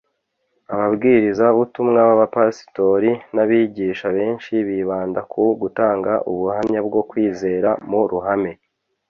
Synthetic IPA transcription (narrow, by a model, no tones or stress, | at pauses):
aβabɡiːɾizaβutumŋaβaβapasi̥to̞ɾinaβiːɟiːʃaβe̞ːnʃiβiβaːndakʰuɡutaːŋɡaʔuβuhamɲabɡo̞kwiːze̞ːɾamuɾuɦame̞